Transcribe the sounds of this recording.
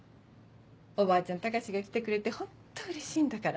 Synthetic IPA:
o̞baːt͡ɕãnt̪akaɕiɡakʲi̥t̪ekɯ̟ɾe̞t̪e̞hõ̞t̪ːoɯ̟ɾe̞ɕĩːnd̪akaɾa

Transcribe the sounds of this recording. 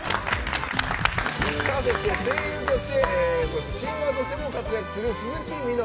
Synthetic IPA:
sasesneseːjɯːt̪o̞ɕi̥t̪e̞soɕeɕĩŋɡat̪o̞ɕi̥t̪e̞mo̞kat͡sɨjakɯ̟̥sɨɾɯ̟ɕiɲĩt̪ʲːimɯina

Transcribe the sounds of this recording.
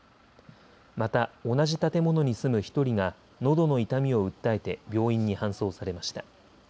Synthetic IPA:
mat̪ao̞naʑit̪at̪e̞mo̞no̞ɲ̟isɨmɯ̟çi̥t̪o̞ɾʲiɡa | no̞d̪o̞no̞it̪amʲio̞ɯ̟t̪ːae̞t̪e̞bʲjo̞ːĩɲ̟ːihãɰ̃so̞ːsaɾe̞maɕi̥t̪a

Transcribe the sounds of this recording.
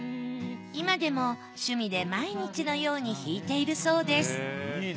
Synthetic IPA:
imad̪e̞mo̞ | ɕɨmʲid̪e̞maiɲ̟it͡ɕino̞jo̞ːɲ̟içiːt̪e̞iɾɯ̟so̞ːd̪e̞sɨ̥

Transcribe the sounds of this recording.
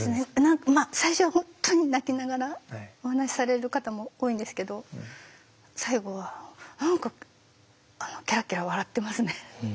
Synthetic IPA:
sɨnenãŋkmasaiɕo̞βahõ̞nt̪ːo̞ɲ̟inakʲinaɡaɾao̞hanaɕi̥saɾe̞ɾɯ̟kat̪amo̞oːĩnd̪e̞sɨ̥ke̞d̪o̞ | saiɡo̞βanãŋka | ano̞kʲaɾakʲeɾaβ̞aɾat̪ːe̞masɨne̞

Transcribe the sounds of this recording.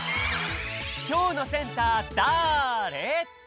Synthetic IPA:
kʰoːnosent̪at̪aɾe

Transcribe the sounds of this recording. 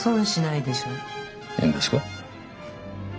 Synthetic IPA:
sõɕinaid̪e̞ɕo̞ː | ḛ̃nd̪eska

